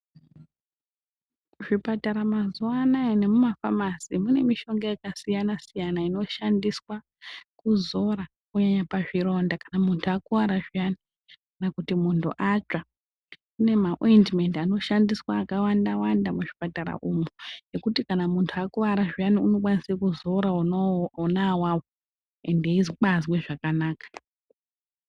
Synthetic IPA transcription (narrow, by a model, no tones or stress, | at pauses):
ʐipataɾamazuanaine̞mumafamasimune̞miʃo̞ŋɡajakasijanasijanaino̞ʃandiswa | kuzo̞ɾa | kuɲaɲapaʐiɾo̞ndakanamuntʰuakuwaɾaʐijani | kanakutimuntʰṵʔad͡ʒa | kune̞maʔojndme̞ntano̞ʃandiswaːkawandawandamuʐipataɾa̰ʔumuje̞kutikanamuntʰuakuʋaɾaʐijaniuno̞kwanisekuzoɾaunawawo | endeiziɓazweʐakanaːkḁ